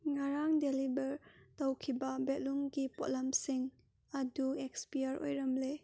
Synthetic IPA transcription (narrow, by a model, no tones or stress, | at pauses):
ŋaɾaŋdelibɐɾtawkʰibabɛt̚luŋɡipɔʔlamsiŋ | ɐduekspijaɾo̰jɾɐmle